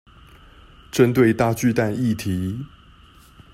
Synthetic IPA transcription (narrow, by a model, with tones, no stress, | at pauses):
ʈ͡ʂə˦nt̪we˥˧ɪt̪a˥˧t͡ɕy˥˧t̪a˥˧ni˥˨t̪ʰi˨˦